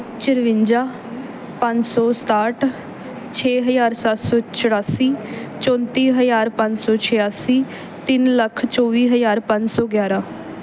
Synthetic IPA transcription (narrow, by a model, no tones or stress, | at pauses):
t͡ʃɪɾʋɪɲd͡ʒaː | pə̃ɲd͡ʒsɔːst̪aːʈ | t͡ʃʰeːɦəjaːɾsat̪sɔːt͡ʃʰəɽaːsiːt͡ʃɔ̃ːnt̪iːɦəjaːɾpə̃ɲd͡ʒsɔːt͡ʃʰɪjaːsiː | t̪ɪnləkʰt͡ʃɔːʋiːɦəzaːɾpə̃ɲd͡ʒsɔːɡjaːɾaː